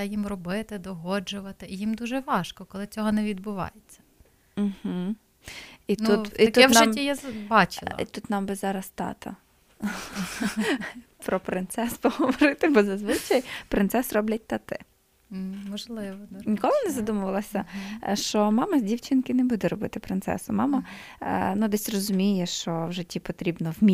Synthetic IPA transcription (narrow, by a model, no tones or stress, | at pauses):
jimrɔbɪt̪ɪd̪ɔɦɔd͡ʒʊʋɐt̪ɪijimd̪uʒɛʋɑʃkɔkɔlˠɪt͡sʲɔɦɔnɛʋʲid̪bʊʋɑ̰jet͡sʲːɐ̥ | m̩ɦ̩ | itnuiɐt̪uɛnmʲːijabɑt͡ʃɪl̰ˠḭt̪ut̪nɑmbɪzɑɾɐst̪ɑ̰t̪ɐ̰ | pɾɔpɾɪnt̪sɛspɔɦɔʋɔɾɪt̪ɪbɔzɐzʋɪt͡ʃɐjpɾɪnsɛsrɔblʲɐt̚ʲt̪ɐt̪ɪ̰ | mɔʒlˠɪʋɔnʲikɔlˠɪnɛzɐd̪umʊʋɐlˠɐsʲɐʃt͡ʃɔmɑmɐzʲdʲiwt͡ʃɪnkɪnɛbud̪ɛɾɔbɪt̪ɪpɾɪnt̪sɛ̰sʊmɑmɐ | nud̪ɛsʲrɔzʊmʲijɛʃt͡ʃɔwʒɛtʲːipɔt̪ɾʲibnɔwmʲi